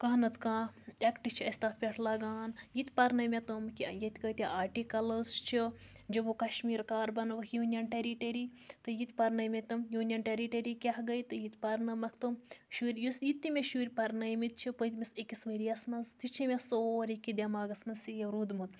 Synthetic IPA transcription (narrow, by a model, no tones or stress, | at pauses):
kɐɦnɐt̪ʰkãːekʈit͡ʃʰiɐsʲt̪aːt̪̚ʰpʲeʈʰlaːɡaːnjit̪ʲpɐɾnɐjmʲet̪ɨmkijɐt̪ʲkɐjt̪ʲiʔaːʈikɐlɐzt͡ʃʰi | d͡ʒɐbokɐʃmiːɾkaːɾbɐnʋɐkʰjuːnʲjɐnʈeɾiʈeɾit̪ɨjit̪ʲpɐɾnɐmʲet̪ɨmjuːnʲjɐnʈeɾiʈeɾikʲɐɦɡɐjt̪ɨjit̪ʲpɐɾnɐmɐkʰt̪ɨmʃuːɾʲjusjit̪ʲːimʲeʃuːɾʲpɐɾnɐjmit̪̚t͡ʃʰipət̪ʲmʲisikisʋeɾijɐsnɐzt̪it͡ʃʰimʲesoːɾikːid̪ʲɐmaːɡɐsnɐsijɐɾud̪mut̪